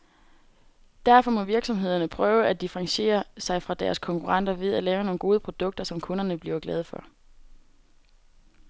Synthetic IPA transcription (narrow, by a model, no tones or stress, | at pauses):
d̥æɐfɒ̽mɒ̽ʋiɐɡ̥sɒ̽mɦe̝ð̞̰ˠɐnəpʰʁœːʊæd̥ifʁɑ̈ŋɕe̝̰ːɐsɑ̈ɪfʁɑ̈d̥æɐskʰɒ̽ŋkʰuʁɑ̈n̰d̥ɐʋe̝ðˠælɛːʊno̝ːn̩ɡ̥o̝ːð̞ˠpʰʁo̝d̥ɔ̽ɡ̥d̥ɐsɒ̽mkʰɔ̽nɐnəb̥liɐɡ̥lɛːð̞̩ˠfɒ̽